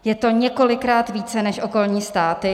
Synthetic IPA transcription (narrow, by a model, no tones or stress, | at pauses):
jɛt̪o̞ɲɛko̞lɪkɾaːt̪viːt͡sɛnɛʃʔo̞ko̞lɲiːst̪aːt̪ɪ